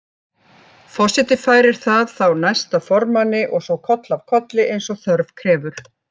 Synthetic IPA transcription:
fɔ̥sɪt̪ɪfaːjɾɪɾ̥θaðθawnajst̪avfɔɾmanːɪʔɔɣsɔwkʰɔt̪lav̥kʰɔt̪lɪʔejnsɔɣθœɾv̥kʰɾɛːvʏɾ̥

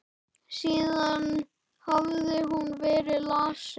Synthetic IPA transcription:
siːðan | havðʏɦunvɛːɾɪlaːsɪ

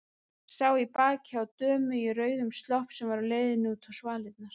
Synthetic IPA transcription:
sawipaːcawt̪œːmʏirœːɥðʏmst̪lɔhpsɛmvaɾɔleːjðɪnːɪuːt̪ʰɔsvaːlɪt̪̚naɾ̥

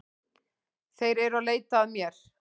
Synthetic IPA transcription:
θejɾɛɾaleːjt̪aːðmjɛɾ̥

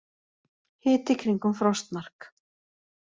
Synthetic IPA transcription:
hɪːt̪ɪkʰɾiŋkʏmfɾɔst̪mar̥k

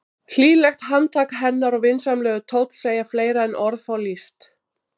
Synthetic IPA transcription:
k̪ʰliːlɛxt̪ɦant̪ʰaːkaɦɛnːaɾɔɣvɪnsamlɛːɣʏt̪ʰoːwt̪l̥seːjafleːjɾaɛnʔɔɾðfawlist̪

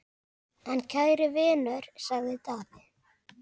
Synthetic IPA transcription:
ɛncʰaːðɾɪvɛːnœɾ̥saɣðɪt̪aːpɪ̥

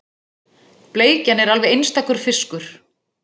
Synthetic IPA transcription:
pleːjcanɛɾalvɛðejnst̪akʏɾ̥fɪskʏɾ̥

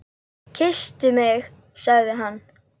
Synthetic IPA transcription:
cʰɪst̪ʏmɪx | saɣðɪɦanː

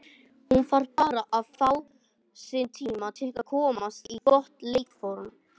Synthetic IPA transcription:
hunfaɾ̥paːɾaʔaðfaw | sɪnt̪ʰiːmat̪ʰɪlkaðkʰɔːmast̪ikɔht̪lejkfɔɾm

